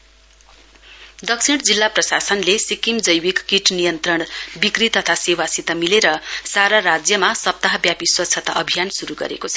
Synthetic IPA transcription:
d̪ʌksiɽd͡zilːaprʌsasʌnlesikimd͡zʌjwikːiʈnijʌnt̪rʌɳbikrit̪ʌt̪ʰasewasit̪amileɾʌsaɾaɾad͡zjʌmasʌp̚t̪aɦʌbjapiswʌtt͡sʰʌt̪aʔʌbʱijansuɾuɡʌ̰ɾḛkot͡sʰʌ̥

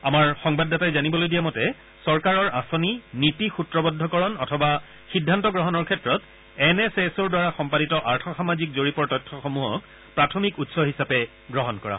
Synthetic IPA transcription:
amaɹxɔŋbadːatajzanibɔlojdijamɔtɛ | sɔɹkaɹɔɹʔasɔninitixutɹɔbɔdʱːɔkɔɹɔnɔtʰɔba | xidʱːantɔɡɹɔɦɔnɔɹkʰɛtɹɔt | ɛnɛsesɔɹdwaɹaxɔmpaditɔʔaɹtʰɔxamazikzoɹipɔɹtɔjtʰːɔxɔmuɦɔ̰k̚ | pɹatʰɔmikutsɔɦisapɛ | ɡɹɔɦɔnkɔɹa̰

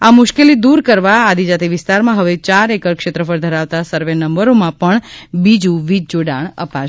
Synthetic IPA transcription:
amʊʃkelid̪uɾkəɾʋaad̪id͡ʒat̪iʋɪst̪aɾmãɦəʋet͡ʃaɾekəɾkʃet̪ɾəfəɾd̪ʱəɾaʋt̪asəɾʋenəmbəɾomãpəɳbid͡ʒũʋid͡ʒd͡ʒoɖaɳə̰paʃ

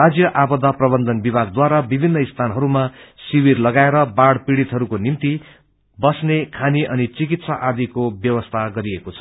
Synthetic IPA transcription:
ad͡zjʌʔabʌd̪aprʌbʌnd̪ʱʌnbibʱaɡ̚d̪waɾabibʱinːʌist̪ʰanɦʌɾumasiwirlʌɡaeɾʌbaɽpiɽit̪ɦʌɾukonimt̪i | bʌsnekʰaniʔʌnit͡sikit̪saʔad̪ikobjʌwʌst̪ʰaɡʌɾiekot͡sʰʌ̥

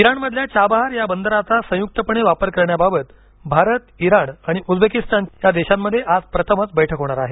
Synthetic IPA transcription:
iɾaɳməd̪ʱljat͡ɕabaɦaɾjabənd̪əɾat͡sasə̃juk̚t̪əpəɳ̃eʋapəɾkəɾɳjababət̪ | bʱaɾət̪iɾaɳaɽ̃iʔud͡z̪bekist̪anjad̪eɕamːəd̪ʱːjeʔad͡zpɾət̪ʰəmət͡sbəjʈʰəkɦoɽ̃aɾaɦe

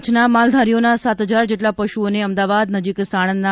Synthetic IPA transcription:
t͡ʃʰnamald̪ʱaɾijonasat̪əd͡ʑaɾd͡ʒeʈlapəʃuoneəmd̪aʋad̪nəd͡ʒiksaɽ̃ənːa

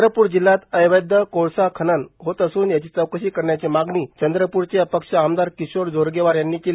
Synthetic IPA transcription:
ɾəpuːɾd͡ʑilːat̪əjʋəjd̪ʱəkoɭsakʰənənɦot̪əsuːnjat͡ɕiːt͡səwkəɕiːkəɾɳjat͡ɕemaɡniːt͡ɕənd̪ɾəpuɾt͡ɕeəpəkʂəamd̪aɾkisoɾd͡zʱoɾɡeʋaɾjanːiːkel

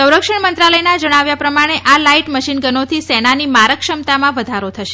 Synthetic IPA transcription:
səwɾəkʂəɳmənt̪ɾaləjnad͡ʒəɽ̃aʋjapɾəmaɽ̃eʔalaiʈməʃinɡənot̪ʰisɛnanimaɾəkʃəmt̪amãʋəd̪ʱaɾot̪ʰəʃe̥

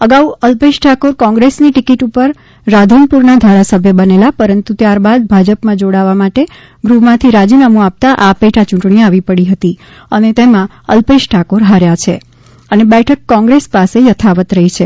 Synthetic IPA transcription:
əɡauəlpeʃʈʰakoɾkɔ̃ŋɡɾesniʈikiʈupəɾː | ad̪ʱunpuɾnad̪ʱaɾasəbʱjəbənelapəɾənt̪ut̪jaɾbad̪̚bʱad͡ʒəpmãd͡ʒoɽaʋamaʈe | ɡɾumãt̪ʰiɾad͡ʒinamũap̚t̪aʔapeʈʰat͡ʃũʈɳ̃iaʋipəɽiɦət̪i | ənet̪emã | ə̰lpeʃʈʰakoɾɦaɾjat͡ʃʰḛ | ənebɛʈʰəkːɔ̃ŋɡɾespasejət̪ʰaʋət̪ɾəɦit͡ʃʰe

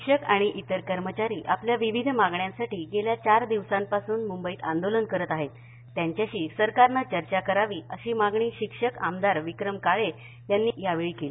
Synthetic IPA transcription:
kʂəkaɽ̃iʔit̪əɾkəɾmət͡ɕaɾiːʔapljaʋiʋid̪ʱmaɡɳjãnsaʈiːɡeljat͡ɕaɾd̪iʋsampasuːnmumbəiːt̪a̰nd̪olənkəɾət̪aɦet̪ː | jaɲt͡ɕjaɕiːsəɾkaɾnat͡ɕəɾt͡ɕakəɾaʋiːʔəɕiːmaɡɳiːɕikʂəkamd̪aɾʋikɾəmkaɭe | janːiːjaʋeɭiːkeliː

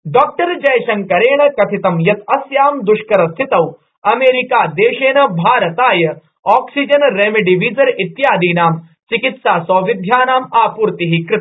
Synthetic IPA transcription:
ɖɔːk̚ʈɐɾd͡ʒɐjʃɐnkɐɾeːɳ̃ɐkɐt̪ʰit̪ɐmjɐt̪ɐsjaːmd̪uʃkɐɾɐst̪ʰit̪ɐw | ɐmeːɾikaːd̪eːʃeːɳɐbʱaːɾɐt̪aːjɐ | ɔːksid͡ʒɐnɾeːmiɖiʋiːzɐɾit̪jaːd̪iːnaːm | t͡ʃikit̪saːsoːʋid̪ʱjaːnaːmaːpuːɾt̪iɦikɾɪt̪

